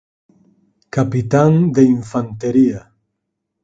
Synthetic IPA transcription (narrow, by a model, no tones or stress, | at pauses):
kapit̪aŋd̪eiɱfant̪eɾia